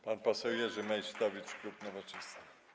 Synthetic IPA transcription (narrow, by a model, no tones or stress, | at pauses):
panpɔsɛwjɛʐɘmɛjst̪ɔvʲit͡ʂklupnɔvat͡ʂɛst̪a